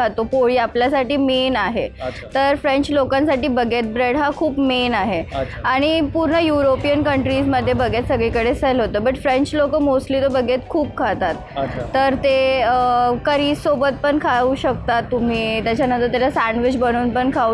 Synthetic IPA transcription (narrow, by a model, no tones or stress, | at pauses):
at̪opoɭiːapljasaʈiːmenaɦe | t̪əɾfɾẽɲt͡ɕlokãnsaʈiːbəɡʱet̪̚bɾeɽɦakʰuːpmenaɦe | aɽ̃ipuɾɳəjuɾopijənkəɳʈɾisməd̪ʱːjebəɡʱet̪səɡɭikəɽesəlɦot̪əːbəʈfɾeɲt͡ɕlokəmosliːt̪obəɡʱet̪kʰuːp̚kʰat̪at̪ːəɾt̪eəkəɾiːsobət̪̚pəɳkʰauɕək̚t̪at̪ːum̤iːt̪jat͡ɕjanə̃nt̪əɾt̪̬jalasæɳɖʋit͡ɕbəɽ̃uːnpəɳkʰa